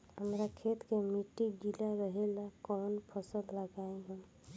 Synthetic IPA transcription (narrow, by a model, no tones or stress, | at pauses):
ɦəmɾakʰet̪kemiʈːid͡ʒilaɾəɦelakɔnpʰəsəd̪ləɡaeɦũm